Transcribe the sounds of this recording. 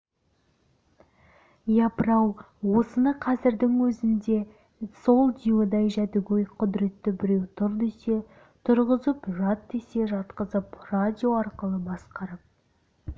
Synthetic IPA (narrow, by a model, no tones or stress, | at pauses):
jɑpəɾɑw | wo̞sənəqʰɑzɪɾd̪ɪŋwɵzɪnd̪e̞ | so̞lˠd̪ʲijod̪ɑjʒæt̪ɪɡʲejqʰʊd̪ɾe̞t̪ːɪbɪɾe̞wt̪ʰʊɾd̪ese̞ | t̪ʰʊɾʁəzəpʒɑt̪ːese̞ʒɑt̪qəzəprad̪ʲio̞ɑɾqəlˠəbɑsqɑɾəp̚